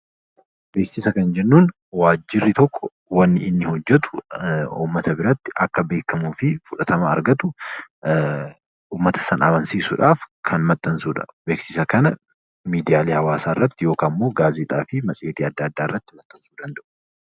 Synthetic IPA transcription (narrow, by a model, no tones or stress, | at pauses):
beːksɪsɐkɐnd͡ʒɛnːuːn | waːd͡ʒːɪrːɪt̪ɔkʰːɔ | wɐnːɪɪnːɪhɔd͡ʒːɛt̪ʊ̥ṵːmːɐt̪ɐbɪɾɐt̪ːɪʔɐkːɐbeːkːɐmuːfɪfʊᶑɐt̪ɐmɐɐ̰ɾɡɐt̪ʊ | uːmːɐt̪ʰɐ̥sɐnaːbɐnsiːsʊᶑaːfkʰɐnmɐt̪ʼːɐnsuːᶑɐ̥̰be̞ːksɪsɐkɐnɐ | miːd̪ɪjaːliːhɐwaːsaːɪrːɐt̪ːɪjo̞ːkaːmːo̞ːɡaːzɪt̪ʼaːfɪmɐsʼeːt̪iːɐd̪ːɐɐd̪ːaːɪ̰rːɐt̪ːɪmɐt̪ʼːɐnsuːd̪ɐnd̪ɐʔʊ